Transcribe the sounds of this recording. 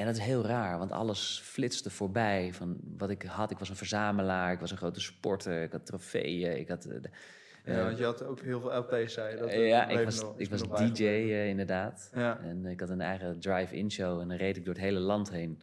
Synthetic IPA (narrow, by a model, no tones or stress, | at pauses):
ɛndɑtɪsɦɪːlˠraːɹʋɑntɑ̰ləsflɪtsdəv̥oːɹbɛjvɑnʋɑtɪkɦɑtɪkʋɑsənvəɹzaːməlaːɹɪkʋɑsənχrowtəspɔɹtəɹɪkɑtrofḛjəɪ̰kɦɑt | njəɑtowkɦɪlˠvɪlˠɛlˠpeːsɛjaʔɪkʋɑsɪkʋɑsdid͡ʒejɪndəɹdaːtɛnɪkɦɑtənɛ̰jχədrajfɪ̰nʃowɛndɑnrejdɪɡ̚dʊːɹətɦejləlɑntɦejn